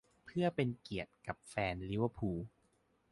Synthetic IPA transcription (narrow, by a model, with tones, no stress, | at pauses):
pʰɯ˥˩ɐpe˧nki˨˩ət̪̚ka˨˩p̚fɛː˧nli˦˥wa˧˩pʰuː˧